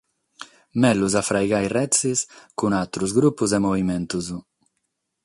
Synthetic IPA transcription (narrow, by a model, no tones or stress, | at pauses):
mɛluzafɾajɣajrɛt̪seskunat̪ɾuzɡɾupuzɛmovimɛnt̪uzu